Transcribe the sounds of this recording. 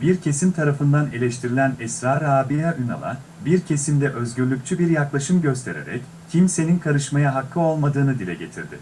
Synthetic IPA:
biɾcʰe̞simt̪ʰaɾafɯnd̪ane̞lʲɛʃt̪ʰiɾilʲænɛsɾaːɾaːbiaʔyna̰lˠa̰ | biɾcʰe̞simd̪ɛʔø̞zɟyɾlʲykct͡ʃʰybiɾjaklˠaʃɯmɟø̞s̬t̪ʰe̞̰ɾe̞̰ɾɛ̰c | cʰimse̞ninkʰaɾɯʃmajaɦakʰːɯo̞lˠmad̪ɯːnɯd̪ilʲɛɟe̞t̪ʰiɾd̪ɪ̰

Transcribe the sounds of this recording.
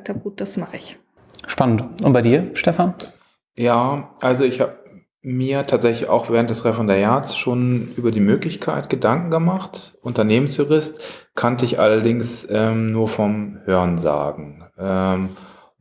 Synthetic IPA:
k̚tʰab̚ɡ̥uːt̚d̥asmaχəɪç | ʃpanəntʔʊntb̥aɪdiːɐʃtɛfan | jaːʔalzoɪçhaːbə | miːɐtʰaːtz̥ɛçlɪça̰ʊxv̥ɛːʁ̞ənt̚d̥ɛsʁɛfɛndaʁjaːt͡sʃoːnʔyːbɐdiːmøːklɪçkʰaɪtɡ̥ədaŋkŋ̩ɡəmaχtʔʊntɐneːmənsjuʁɪstkʰɔntəɪçʔa̰lɐdɪŋsʔɛːmnuːɐfɔmhøːɐʁnza̰ːɡŋ̩ʔɛːm

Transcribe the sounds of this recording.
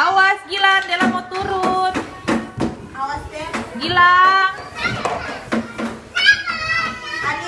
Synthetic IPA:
awasɡiladɛlamɔt̪uɾuut̪̚ | ɡila

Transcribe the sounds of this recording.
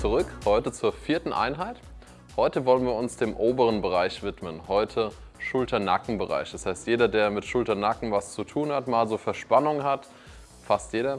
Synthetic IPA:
t͡suʁʏkhɔʏtət͡suːɐfiːɐtn̩ʔa̰ɪnɦaɪt | hɔʏtəvɔlənviːɐʊnsd̥eːmʔoːbəʁənbəʁ̞aɪçv̥ɪtmənhɔʏtʰə | ʃʊltʰɐna̰kŋ̩bəʁa̰ɪçd̥ashaɪstjeːdɐdeːɐmɪtʃʊltɐnakŋ̩vast͡sutʰuːnhatmaːlzoːfɛɐʃpanʊŋɦat | fastjeːɾɐ

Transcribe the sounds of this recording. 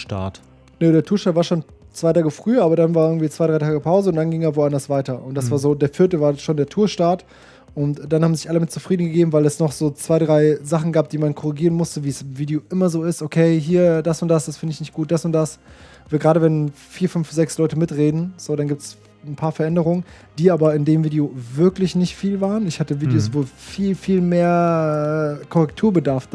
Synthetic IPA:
ʃta̰ɐt | nədeːɐtʰuːɐtaːtv̥aːɐʃoːn | t͡sv̥aɪtʰaːɡəfʁ̥yːɐʔaːbɐɾanvaːɐʔɪɐŋ̩tv̥iːt͡sv̥aɪɾʁaɪtʰaːɡəpʰaʊzəʊntd̥anɡɪŋavoːʔandɐsv̥aɪtɐʔʊnt̚d̥asv̥aːɐzoːdeːɐfɪɐtəvaːɐʃoːndeːɐtʰuːɐʃtaːɐt | ʔʊntd̥anhaːbm̩zɪçʔaləmɪt̚t͡sufʁ̥iːdn̩ɡəɡeːbm̩vaɪlɛsnɔχz̥oːt͡sv̥aɪdʁaɪzaχn̩ɡaːp̚d̥iːmankʰɔʁiɡiːʁənmʊstəviːɛsɪmviːdjoːʔɪmɐzoːɪstʔokʰeɪɦiːɐd̥asʊnt̚d̥asd̥asfɪndəɪçnɪçt̚ɡ̥uːt̚d̥asʊnt̚d̥as | vaɪlɡʁaːɾəvɛn | fiːɐfʏnfz̥ɛkslɔʏtəmɪtʁeːdn̩z̥oːɾanɡiːp̚ts | n̩pʰaːɐfɛɐʔɛndəʁ̞ʊŋən | d̥iːʔaːbɐɪndeːmviːdeovɪɐklɪçnɪçtfiːlvaːʁənɪçhatəviːdejoːsvoːlfiːlfiːlmeːɐɛːkʰɔʁɛktʰuːɐbədaɐf

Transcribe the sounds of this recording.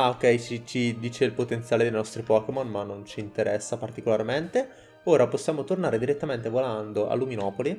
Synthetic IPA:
aok̟ːɛjt͡ʃit͡ʃid̪iːt͡ʃeilpot̪ent̪sjaːled̪ejnɔst̪ɾipɔːkemonmanːont͡ʃiːnt̪eɾɛsːapart̪ikolarment̪e | oːɾaposːjaːmot̪ornaːɾed̪iɾet̪ːament̪evoland̪oʔa̰lːuminɔːpoli

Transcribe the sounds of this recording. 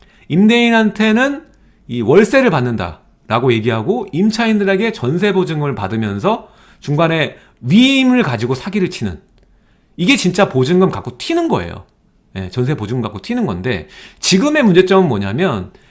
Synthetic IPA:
imde̞inɦantʰe̞nɯn | iwʌɭs͈e̞ɾɯɭpanːɯnda̰ | ɾaɡoje̞ɡiɦaɡoimt͡ɕʰaindɯɾe̞ɡe̞t͡ɕʌns̬ʰe̞bod͡ʑɯŋɡɯmɯɭpadɯmjʌnsʰʌ | t͡ɕuŋɡane̞ | ɥiːmɯɭkad͡ʑiɡosʰaɡiɾɯɭt͡ɕʰinɯ̰n | iɡe̞t͡ɕint͡ɕ͈apod͡ʑɯŋɡɯmkak͈otʰinɯnɡʌ̰e̞̰jo̰ | je̞̰t͡ɕʌns̬ʰe̞pod͡ʑɯŋɯmkak͈otʰinɯnɡʌ̰nde̞̰t͡ɕiɡɯme̞mund͡ʑe̞t͡ɕ͈ʌɡɯnmwʌɲamjʌn

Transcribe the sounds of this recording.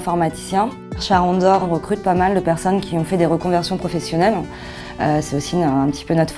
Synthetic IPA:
fɔʁmat̪i̥sjɛ̃ | ʃaʁɔ̃d̪ɔʁɔ̃ʁəkχyt̪̚pamald̪əpɛʁsɔnkʲiɔ̃fɛd̪eʁəkɔ̃vɛʁsjɔ̃pχɔfɛsjɔnɛl | øsɛosiɛ̃pət̪ʰi̥pønɔt̪χ

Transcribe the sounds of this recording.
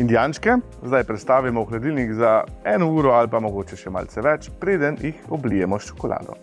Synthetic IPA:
ind̪ijaːnʃkɛ | zd̪ajpɾɛt̪st̪aːʋimɔuxlɛd̪iːlnikzaɛːnɔuːɾɔalpamɔɡoːt͡ʃɛʃɛma̰lsɛʋɛt͡ʃpɾeːd̪ənjixɔblijɛmɔʃt͡ʃɔ̥kɔla̰ːd̪ɔ̰

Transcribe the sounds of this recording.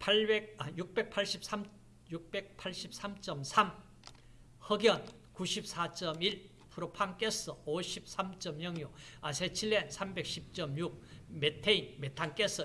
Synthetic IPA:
pʰaɭbek̚ajuk̚p͈e̞k̚pʰaɭɕ͈ʰip̚sʰam | juk̚p͈e̞k̚pʰaɭɕ͈ʰip̚sʰamt͡ɕ͈ʌmsʰam | hʌɡjʌn | kuɕʰip̚s͈ʰat͡ɕ͈ʌmiɭ | pʰuɾopʰaŋk͈es͈ʌoɕʰip̚s͈ʰamt͡ɕ͈ʌmjʌŋjoasʰet͡ɕʰiɭːensʰambe̞k̚ɕʰip̚t͡ɕ͈ʌmjuk̚metʰeinmetʰaŋk͈es͈ʌ

